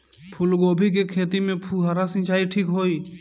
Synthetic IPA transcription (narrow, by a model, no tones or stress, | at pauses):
pʰʊlɡoːbʱik̬ekʰeːt̪imẽpʰuɦaɾasɪ̃t͡ʃaːiʈʰiːkɦoːiː